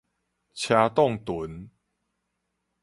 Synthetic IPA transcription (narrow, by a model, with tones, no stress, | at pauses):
t͡ɕʰja˧t̪ɔ˥˨ŋt̪u˨˦n